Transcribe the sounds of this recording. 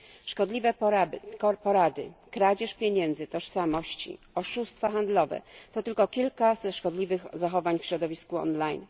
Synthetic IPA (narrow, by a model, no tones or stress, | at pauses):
ʂkɔd̪lʲivɛpapɔɾad̪ɘ̰kɾad͡ʑɛʂpʲjeɲɛnd̪zɘt̪ɔʂsamɔɕt͡ɕḭ | ɔʂust̪faxand̪lɔvɛ̰t̪ɔt̪ɘlkɔkʲilkazʂkɔd̪lʲivɘxzaxɔvaɲfɕɾɔd̪ɔvʲiskuɔ̰nlajn